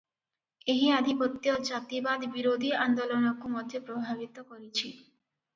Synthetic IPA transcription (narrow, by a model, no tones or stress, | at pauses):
eɦiad̪ʱipɔt̪ːjɔd͡ʒat̪ibad̪biɾod̪ʱiand̪olɔnɔkumɔd̪ʱjepɾobʱaβit̪ɔkɔɾit͡ʃʰi